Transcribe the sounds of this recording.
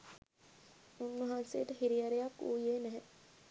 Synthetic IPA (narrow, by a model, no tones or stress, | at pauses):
unːuɦaːnsḛːt̪əɦiɾijaɾejakːuːjeːnɛɦɛ